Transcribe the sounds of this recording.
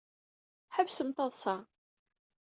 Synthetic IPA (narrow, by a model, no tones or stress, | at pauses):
ħəvsəmt̪ɑðˤsɑʁ